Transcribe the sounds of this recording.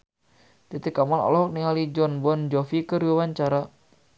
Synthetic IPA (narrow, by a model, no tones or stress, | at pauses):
t̪it̪ikamɔnɔ̰lɔɦɔk̚niŋalid͡ʒɔnbɔnd͡ʒɔfikəɾiwawaɲt͡ʃaɾa